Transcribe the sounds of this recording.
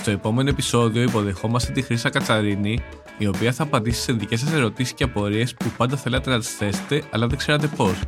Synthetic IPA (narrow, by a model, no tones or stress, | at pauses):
st̪o̞e̞po̞me̞noepiso̞ðio̞ipo̞ðe̞xo̞mɐst̪et̪ixɾisɐkɐt͡sɐɾini | io̞piɐθɐːpɐnd̪isi̥seðice̞s̬ɐse̞ɾo̞t̪isi̥scʲeɐpo̞ɾie̞spupɐnd̪ɐθe̞lɐt̪e̞nɐt̪i̥sθe̞se̥t̪e̞ɐlɐðe̞ɡ̥se̞ɾɐt̪e̞po̞s